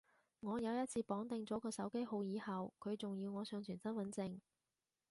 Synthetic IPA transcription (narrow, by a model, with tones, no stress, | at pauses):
ŋɔː˨˧jɐ˨˧wjɐ˥t̚t͡sʰiː˧pɔː˨˥ŋt̪ɪ˨˧ŋt͡sɔː˨˥kɔː˧sɐ˨˥wke˥jho˨˧wjiː˨˧hɐ˨wkʰɵ˨˧ɥt͡sʊ˨ŋji˧wŋɔː˨˧sœː˨˧ŋt͡ʃʰyː˨˩nsɐ˥nwɐ˨˥nt͡sɪ˧ŋ